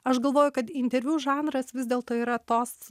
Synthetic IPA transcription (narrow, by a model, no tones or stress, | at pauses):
ɐʃɡɐlˠʋoːjʊkɐt̪ɪnʲt̪ʲɛɾʲʋʲuːʒɑːnɾɐsʋʲɪzdʲeːlˠt̪oːiːɾɐt̪oːs